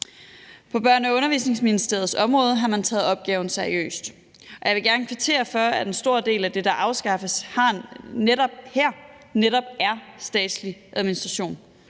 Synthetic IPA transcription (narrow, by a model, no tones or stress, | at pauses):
pʰɒ̽b̥ɶɐ̰nɒɔ̽nɐʋḭːsne̝ŋsminisd̥e̝ɐð̞̩ˠsɒ̽mʁɔ̽ːð̞ˠɦɑ̈mænt͡sʰɛ̰ːð̩ˠɒ̽b̥̚ɡ̥ɛːʊn̩sæɐiø̰ːsd̥ | ɒ̽jɑ̈ɪʋe̝ɡ̥æɐnəkʰʋit͡sʰe̝̰ːɐfɶɐæd̥ensd̥o̝ɐd̥e̝̰ːlæd̥e̝d̥ɑ̈ʔɑ̈ʊsɡ̥ɑ̈fəshɑ̈neɾɒ̽b̥heɐ̰ | neɾɒ̽b̥̚æɐsd̥ɛ̰ːd̥sliʔæð̞ˠminisd̥ʁɑɕo̝̰ːn